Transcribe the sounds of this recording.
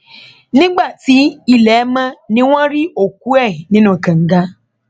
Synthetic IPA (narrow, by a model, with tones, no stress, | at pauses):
nɪ̃˦ɡ͡ba˦˨ti˨˦i˦lɛ˨˦mã˦nĩ˦w̃ɔ̃˦ɾi˦o˨k̚u˦ɛ˦˨i˨nĩ˦nũ˦˨kã˨ŋ̩˦ɡa˦